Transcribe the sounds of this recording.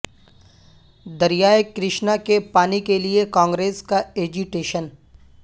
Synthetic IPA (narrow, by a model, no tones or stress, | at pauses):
d̪ɐɾijaːjkɾɪʃnakepaːnikeliekãːŋɡɾeːskaeːd͡ʒuʈeːʃən